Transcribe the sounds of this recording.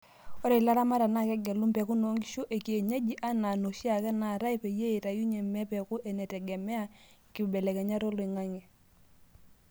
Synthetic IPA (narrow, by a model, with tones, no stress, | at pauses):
ɔ˦ɾi˨la˦ɾa˦ma˦ɾa˨na˦˨kɛ˦ɡɛ˨lu˦mpɛ˨ku˦no˨˦ŋɡi˦ʃo˦ʔe˨ki˨e˨ɲe˦d͡ʒi˦ʔa˦na˨no˨ʃi˦a˨kɛ˦na˨ɾa˦i˦pe˨je˦e˨ta˨ju˦ɲɛ˨mɛ˦pɛ˨ku˦ʔɛ˨nɛ˨tɛ˨ɡɛ˨mɛ˦a˦ki˨bɛ˨lɛ˨kɛ˨ɲa˦ɾo˦lɔ˨i˨ŋa˦ŋi˨